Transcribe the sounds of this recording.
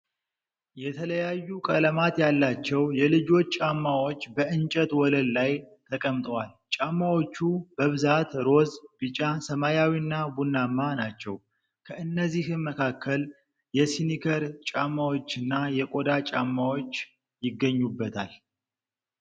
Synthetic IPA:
jɛt̪ʰələjajːukʼələmat̪jalːat͡ʃːɛwjɛlɨd͡ʒo̞t͡ʃːt͡ʃːʼamːawot͡ʃːbəʔɨnt͡ʃʼət̪wɔləllajt̪ʰəkʼəmt̪ʼwal | t͡ʃʼamːawot͡ʃːub̥əβɨzat̪ɾo̞zbɨt͡ʃʼasəmajawinːabunːamːanat͡ʃːɛw | kʰəʔɨnːəzːihɨnməkʰakːəl | jɛsinikʰəɾt͡ʃʼamːawot͡ʃːɨnːajɛkʼo̞d̪at͡ʃʼa̰mːawo̞t͡ʃː | jɪɡːəɲːubːət̪ʰa̰l

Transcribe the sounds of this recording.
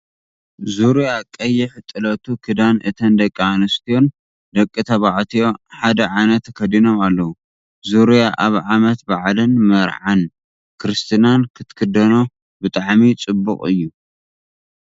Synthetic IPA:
zuɾjakʼːɐjiħɨt̪ʼːɨlɐt̪ʰukʰɨd̪anɨt̪ʰɐnd̪ɐkʼːianɐst̪ʰijo̞n | d̪ɐkʼːit̪ʰɐβaʕt̪ʰijo̞ħad̪ɐʕajnɐt̪ɐkʰɐd̪ino̞malːɐwu | zuɾjaʔaβʕamɐt̪baʕlɨnmɐɾʕan | kʰɾɨst̪ʰɨnankʰɨt̪kʰɨd̪ɐno | bɨt̪ʼaʕmit͡sʼɨbːukʼɨjːu

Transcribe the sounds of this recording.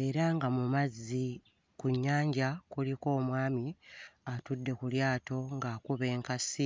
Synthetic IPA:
e̞ɾaŋɡamumazːi | kuɲːaːɲɟakuliko̞ːmwaːmiatudːe̞kuljaːto̞ŋɡakuβe̞ːŋkasi

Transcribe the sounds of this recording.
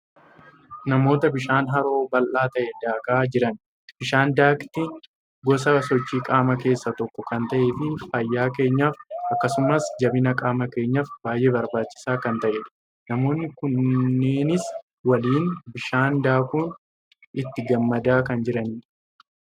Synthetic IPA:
nɐmo̞ːt̪ɐbɪʃaːnɦɐɾo̞ːbɐlʔaːt̪ɐʔɛd̪aːkaːd͡ʒɪɾɐn | b̥ɪʃaːnd̪aːkt̪iːn | ɡɔs̬ɐsɔt͡ʃːiːkʼaːmɐke̞ːsːɐt̪ɔkːɔkɐnt̪ɐʔeːfɪfɐjːaːk̬e̞ːɲːaːfɐkːɐsʊmɐsd͡ʒɐbɪnɐkʼaːmɐke̞ːɲːaːfbaːjʔe̞ːbɐɾbaːt͡ʃːɪ̥saːkɐnt̪ɐʔe | nɐmo̞ːnːɪkʊnːeːnɪs | wɐliːnbɪʃaːnd̪aːkuːn | ɪt̪ːɪɡɐmːɐd̪aːkɐnd͡ʒɪɾɐnː

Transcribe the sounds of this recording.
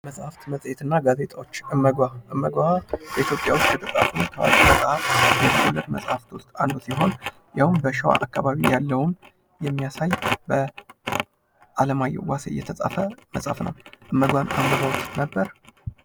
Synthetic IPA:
məsʼhaft̪məsʼjet̪ʰɨnːaɡaze̞t̪ʼawo̞t͡ʃːɨmːəɡʷaʔɨmːəɡʷaabəit̪ʰjopʼːja̰wʊst̪kʰət̪ʼɨt̪ʼa̰t̪ʰunt̪ʰəwa̰kʼiməsʼhafjɛt̪ʰəkolːət̪məsʼhaft̪ʰost̪ʰand̪osiɦo̞n | jawmbəʃɛwa̰ʔakʰːaβaβijalːəwn | jɛmːijasajbə | ʔaləmajːɛ̰wasjːɛt̪ʰəsʼa̰fəməsʼha̰fnə̰wʔɨmːəɡʷanambəɡawt̪nəbːəɾ

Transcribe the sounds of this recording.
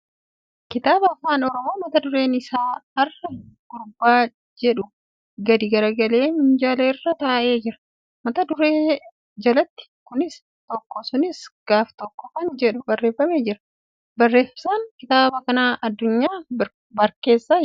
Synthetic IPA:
kɪt̪aːbɐɐfaːnɔɾɔmo̞ːmɐt̪ɐd̪ʊɾe̞ːnɪsaːɐrːɐɡ̥ʊɾbːaː | d͡ʒɛᶑʊ | ɡɐd̪ɪɡɐɾɐɡɐle̞ːmʊɲd͡ʒaːleːɪrːɐt̪ɐːʔe̞ːd͡ʒɪɾɐ̥ | mɐt̪ɐd̪ʊɾeː | d͡ʒɐlɐt̪ːɪ̥kʊnɪs | t̪ɔkːɔsʊnɪsɡ̥aːft̪ɔkːɔkɐnd͡ʒɛᶑʊbɐrːeːfːɐme̞ːd͡ʒɪɾɐ | bɐrːe̞ːfsankɪt̪aːbɐkɐnaːʔɐd̪ːʊɲːaː | bɐɾke̞ːsːaː

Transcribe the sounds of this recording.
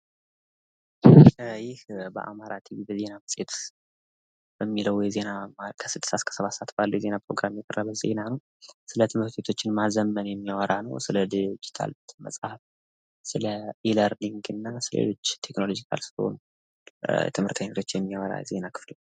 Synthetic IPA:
jɪhbə̰ʔa̰maɾat̪ʰiβibəze̞naməsʼet̪ | b̥əmːiləwjɛze̞namakʰə̥sɨd̪ɨsaskʰə̥səβat̪sat̪balːujɛze̞napʰɾo̞̰ɡɾamjɛkʼərːəβəze̞̰nanəw | sɨlət̪ʰɨmhɨɾt̪ʰet̪ʰo̞t͡ʃːɪnmazəmːənjɛmːiwaɾanəwsɨləd̪ɨd͡ʒit̪ʰa̰lbt̪mə̰sʼhaf | sɨləʔiləɾliŋɡɨnːasɨlə̰ḛlo̞t͡ʃːt̪ʰe̞kno̞lo̞d͡ʒikʰa̰lsɨ̥lho̰n | t̪ʰɨmhɨɾt̪ʰəɲet̪ʰo̞t͡ʃːjɛmːiwaɾa̰ze̞nakʰɨ̥flo

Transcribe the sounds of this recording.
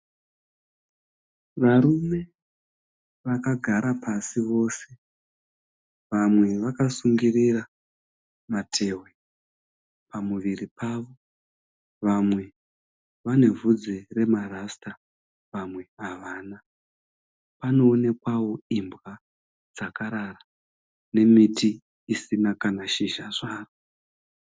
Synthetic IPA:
ʋaɾume̞ | ʋakaɡʱaɾapʰasiʋo̞ːse̞ | ʋamwe̞ʋakasuŋɡirira | matʰe̞ːwe̞ | pamuʋiripʰaʋo̞ | ʋamwe̞ | ʋane̞vud͡zere̞marasta | ʋamwe̞aʋaːna | pano̞ːne̞kwawo̞imbɣa | d͡zakaɾara | ne̞miti | isinakanaʃiʒaʐaːro

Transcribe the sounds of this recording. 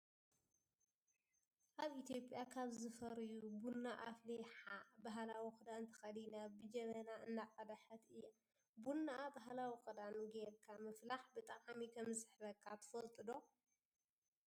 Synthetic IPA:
ʔaβʔit̪ʰjo̞pʼːjakʰaβzɨfɐɾjubunːaʔafleħabaɦlawixʼɨd̪ant̪ʰɐ̥xɐd̪inabɨd͡ʒɐmɐnaɨnːaqʼɐd̪aħɐt̪ɨjːa | bunːaabaɦlawixʼɨd̪anɡelkʰamɨflaħbɨt̪ʼɐχʼamikʰɐmɨsɨħβɐkʰːat̪ʰɨ̥fɐlt̪ʼɨd̪o̞

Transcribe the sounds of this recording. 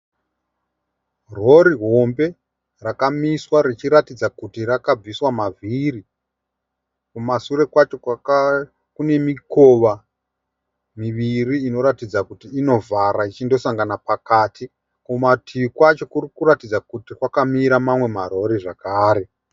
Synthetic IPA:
ro̞ɾiɦo̞mbe̞ | rakamiswaɾit͡ʃiɾatid͡zakutiɾakab͡viswamaviɾi | kumasuɾe̞kwat͡ʃo̞ | kune̞miko̞ʋa | miʋiriːno̞ɾatid͡zakutiːno̞vaɾait͡ʃindo̞saŋɡanapakatʰi | kumatʰiikwat͡ʃo̞kuɾikuɾatid͡zakutikwakamiɾamamwe̞maɾo̞ɾiʐakaːɾe̞

